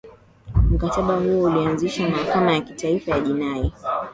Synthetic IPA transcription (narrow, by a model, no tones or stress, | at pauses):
m̩kataɓahuɔulianziʃamahakamajakitaifajaʄinai